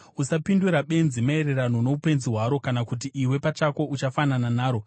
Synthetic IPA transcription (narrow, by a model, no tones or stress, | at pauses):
usapinduɾaɓe̞nzimae̞re̞rano̞no̞upe̞nziɦwaɾo̞kanakut̬iʔiwe̞pat͡ʃako̞ʔut͡ʃafanananaːɾo̞